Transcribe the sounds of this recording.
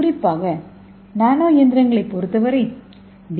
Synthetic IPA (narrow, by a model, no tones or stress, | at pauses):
ɾɪpːaːɣɐ | naːnoːjɛnd̪ɪɾɐŋɡɐɭɐɪpːɔɾɯt̪ːɐʋɐɾɐ | d̪